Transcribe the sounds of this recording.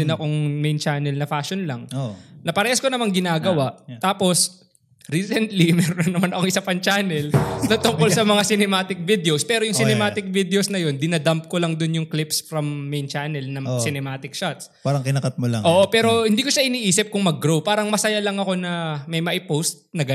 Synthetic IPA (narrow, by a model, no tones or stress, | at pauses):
ɪnɐkoŋmejnt͡ʃaːnɛlnɐfaːʃonlɐŋnɐpɐɾɛːhɐskonɐmaŋɡɪnaːɡɐwaʔt̪aːpo̞s | ɾiːsɛnt̪limɛɾonɐnːɐmanɐkoŋʔɪsapɐnt͡ʃaːnɛlnɐt̪ʊŋkolsɐmɐŋasɪnɛmaːt̪ɪk̚vid̪ɛospɛːɾojʊŋsɪnɛmaːt̪ɪk̚vid̪eosnɐjo̞nd̪ɪnɐd̪amp̚kolɐŋd̪ʊnjʊŋklɪpsfɾɐmːejnt͡ʃanɛlnɐsɪnɛmaːt̪ɪkʃat̪spaɾɐŋkɪnɐkɐt̪̚molɐ̰ŋʔo̞ːʔopɛːɾo̞hɪnd̪iːko̞ʃaʔɪniːʔiːsɪp̚kʊŋmɐɡːɾowpaːɾɐŋmɐsɐjalɐŋɐko̞nɐmɐjmɐʔɪpowst̪̚nɐ